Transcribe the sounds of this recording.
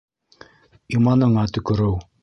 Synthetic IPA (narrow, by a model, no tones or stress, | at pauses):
imɑnɤ̆ɴɑt̪ɵ̆kɵ̆ɾɘw